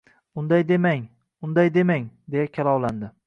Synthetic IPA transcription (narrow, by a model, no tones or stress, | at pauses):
ʊnd̪ajd̪e̞maŋ | ʊnd̪ajd̪e̞maŋd̪e̞jakʲʰalˠɒwland̪ɪ